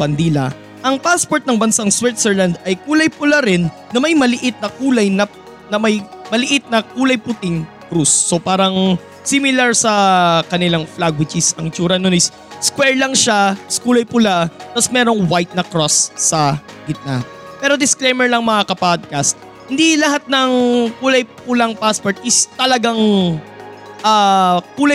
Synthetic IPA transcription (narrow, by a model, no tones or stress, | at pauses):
bɐnd̪iːlɐ | ʔɐŋpaspo̞ɹt̪̚nɐŋbɐnsaŋswɛt̪sɛɹland̪ɐjkuːlɐjpʊlaɾɪnːɐmɐjmɐlɪʔɪt̪̚nɐkuːlɐjnɐ | nɐmɐjmɐlɪʔɪt̪̚nɐk̚uːlɐjpʊt̪ɪŋ | kɾusːopaːɾɐŋ | simɪlaɹsɐkɐnɪlaŋflaɡwɪt͡ʃɪsɐŋt͡ʃuːɾɐnonɪs | skwɛɹlɐŋʃaskuːlɐjpʊlat̪ɐsmɛːɾo̞ŋwajt̪̚nɐkɾosːɐɡɪt̪̚na̰ | pɛːɾo̞d̪ɪsklejmɛɹlɐŋmɐŋakɐpad̪̚kast̪̚ | hɪnd̪ilɐɦat̪̚nɐŋkuːlɐjpʊlaŋpaspoɹt̪̚ɪst̪ɐlɐɡaŋ | ʔaːkuːlɐ